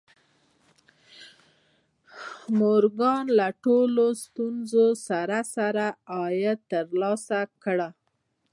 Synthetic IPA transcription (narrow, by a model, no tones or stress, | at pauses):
moɾɡɑnlaʈolost̪unzosaɾasaɾaɑjət̪əɾlɑsakɽa